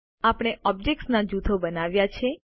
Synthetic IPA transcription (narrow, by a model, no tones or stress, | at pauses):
apɽ̃eɔb̚d͡ʒek̚ʈsnad͡ʒut̪ʰobənaʋjat͡ʃʰe